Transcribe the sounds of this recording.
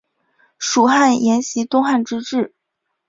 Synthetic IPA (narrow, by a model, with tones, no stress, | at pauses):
ʂu˨˩xa˥˩njɛ˧˥nɕi˧˥t̪ʊ˥ŋxa˥˩nʈ͡ʂɻ̩˥ʈ͡ʂɻ̩˥˩